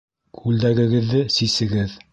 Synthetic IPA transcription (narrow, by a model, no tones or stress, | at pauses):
kʰʉld̪æɡɘ̆ɡɘ̆ðːɘsisɘ̆ɡɘð